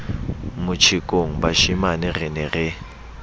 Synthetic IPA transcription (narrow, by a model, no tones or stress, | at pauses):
mʊt͡ʃʰɪkʼoŋ̩baʃimanɪrɪnɛrɪ